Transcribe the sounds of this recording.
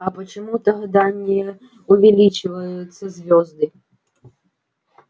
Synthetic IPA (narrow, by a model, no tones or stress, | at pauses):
ɐpɐt͡ʃamut̪ɐɣɐd̪anʲːɛjɛ | uvʲɛlʲit͡ʃɨvɐjut̪sːɐzʲvʲɔzd̪ɨ